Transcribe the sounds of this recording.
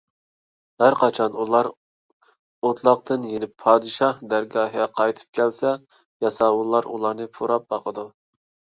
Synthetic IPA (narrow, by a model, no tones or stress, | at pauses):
hæɾqʰɑt͡ʃʰɑnulˠɑɾ | ot̪ʰlˠɑqt̪ʰɨnjenɪpʰːɑːd̪ɨʃɑhd̪æɾɡɑːɦɑqʰɑjt̪ʰɨ̥p̚kʲɛlsɛ | jɑsɑːwulˠːɑɾṵlˠɑɾnɨpʰuɾɑp̚bɑqʰəd̪u